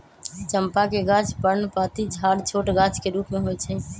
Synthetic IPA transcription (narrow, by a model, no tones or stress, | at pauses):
t͡ʃəmpakeɡãt͡ʃpəɾnpat̪id͡ʒʱaɽt͡ʃʰoːʈɡat͡ʃkeɾuːpmeɦojt͡ʃʰɛ